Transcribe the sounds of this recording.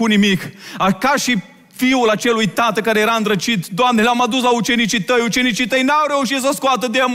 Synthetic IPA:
unimikakaʃi | fiulat͡ʃe̞lujt̪at̪əkaɾe̞je̞ɾaɨnd̪ɾət͡ʃit̪d̪oamneleamad̪uslaut͡ʃe̞nit͡ʃit̪əjut͡ʃe̞nit͡ʃit̪əjnawɾe̞uʃit̪səskoat̪əd̪eam

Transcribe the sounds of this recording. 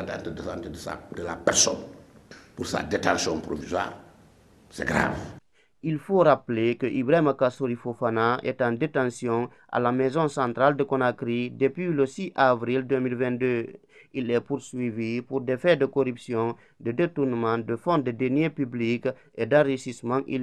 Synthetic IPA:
atã̰ntədəsantədəsa̰dəlapɛrsɔ̰npuɾsa̰detãsjɔ̃pɾo̰vizwa̰ɾ | sɛ̰ɡɾa̰v | ilfoɾaplekəʔibɾaimakasoɾifofanaʔɛ̰tãdetãsjɔ̃ | ʔa̰lamɛzɔ̃sãnt̪ɾald̪əkonakɾidəpɥiləsiʔavɾild̪ømilvɛ̃nd̪ø | ilɛpuɾsɥivipuɾd̪efɛd̪əkoɾypsjɔ̃ | d̪ədetuɾnəmãd̪əfɔ̃d̪edenjepyblik | ed̪ãriʃismãʔḭ

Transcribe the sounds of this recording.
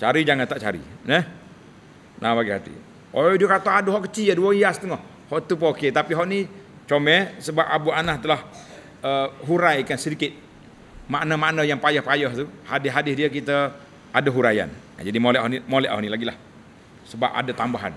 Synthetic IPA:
t͡ʃaɾid͡ʒaŋant̪aʔt͡ʃa̰ɾḭnəh | nʔabaɡihat̪ḭ | odiəkat̪oadəɦɔʔkət͡ʃiəduəiasə̥t̪əŋɔh | hɔʔt̪up̬oket̪apiɦɔʔni | t͡ʃomɛsəbap̚abuanaht̪əlah | əɦuɾajkansəɾikɪt̪̚ | maʔnəmaʔnəjaŋpajəhpajəht̪uhadɪɦadɪsdiəkit̪ə | adəɦuɾaja̰n̰ | d͡ʒadimolɛʔɦɔʔnimolɛʔhɔ̰ʔnilaɡilah | səba̰p̚a̰dət̪ambaɦa̰n

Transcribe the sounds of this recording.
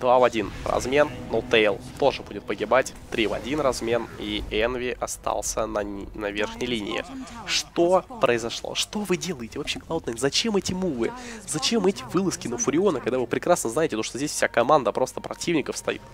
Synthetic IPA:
d̪vavɐdʲinrɐ̰zmʲe̞nːot̪ejlˠt̪o̞ʐɨbudʲɪt̪̚pəɡʲɪbatʲ | t̪ɾʲivɐ̰dʲinrɐzmʲe̞niɛnvʲɪʔɐst̪a̰lˠsʲənɐnɐvʲe̞rxnʲɪjlʲinʲɪ̰ɪ̰ʂt̪o̞pɾəɪzɐʂlˠo̰ʂt̪o̞vɨdʲelˠəjɪtʲɪvɐpɕʲːeklˠɐot̪nəzɐt͡ɕemɛtʲɪmuvɨzɐt͡ɕe̞mɛtʲɪ̥vɨlˠəskʲɪnəfʊɾʲɪo̞nəkɐɡd̪avɨpɾʲɪkɾasnəznajɪtʲɪt̪oʂt̪ozʲdʲesfsʲakɐmand̪əpɾo̞st̪əpɾɐtʲivnʲɪkəfst̪ɐ̰jḭt̪

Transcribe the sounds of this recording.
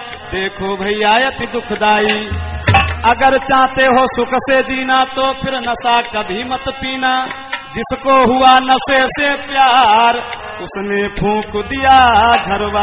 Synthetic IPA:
d̪eːkʰoːbʱəiːjaːjət̪id̪ʊkʰd̪aːiː | əɡəɾt͡ʃãːt̪eɦosʊkʰsed͡ʒiːnat̪opʰɪɾnəsakəbʱimət̪piːna | d͡ʒɪskoɦʊanəsesepjaːɾ | ʊsnepʰũːkd̪ijaːɡʱəɾʋa

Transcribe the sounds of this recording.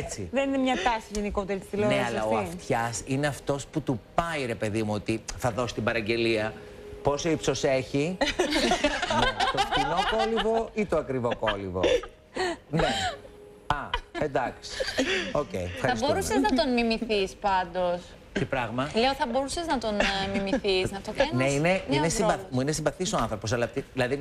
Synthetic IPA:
et͡siðe̞ninemɲɐt̪ɐsiʝeniko̞t̪eɾit̪isðiloneɐslɐɐoɐift̪çɐsine̞ɐft̪o̞sput̪upɐiɾe̞pe̞ðimuot̪iθɐðo̞si̥t̪ibɐɾɐɲɟe̞liɐ | po̞soipso̞seçi | net̪ofino̞ko̞livo̞it̪oɐkɾivo̞kolivo | ne | ɐend̪ɐksi̥o̞cḛifxɐɾɐisboɾuseznɐt̪onmimiθispɐnd̪o̞s | tepɾɐɣmɐleoθɐbo̞ɾuseznɐt̪o̞nmimiθisnɐft̪okneineinesivɐmuinesiɱvɐθisoɐnθɾopo̞s̬ɐlɐpt̪iðilɐðin

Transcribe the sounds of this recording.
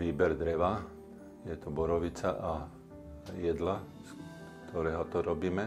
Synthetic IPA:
ʋiːbɛɾd̪ɾɛʋa | jɛt̪ɔbɔɾɔʋit͡saʔa | jɛd̪la | s | t̪ʰɔɾɛːɦɔt̪ɔɾɔbiːmɛ

